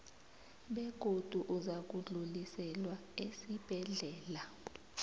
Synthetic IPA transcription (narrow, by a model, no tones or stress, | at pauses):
ɓeɡ̥ʱod̥ʱuʔuzak̬ʼuɮulisɛlwaesib̥ʱɛɮɛːla